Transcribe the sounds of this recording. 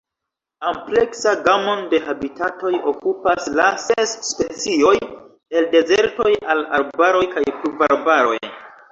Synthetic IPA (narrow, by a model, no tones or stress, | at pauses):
ample̞ksaɡamo̞nde̞habitato̞jokupaslasesːpe̞t͡sio̞j | e̞lde̞zeɾto̞jalaɾbaɾo̞jkajpluvaɾbaɾo̞̰j